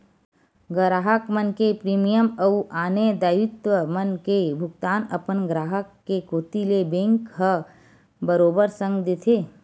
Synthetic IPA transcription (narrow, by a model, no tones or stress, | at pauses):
ɡɾaːɦəkmənkepɾiːmijəmɐuʔaːned̪aːjɪt̪wəmənkebʱʊɡt̪aːnəpənɡɾaːɦəkːekoːt̪ilebẽːŋkɦə | bəɾoːbəɾsə̃ŋɡd̪et̪ʰeː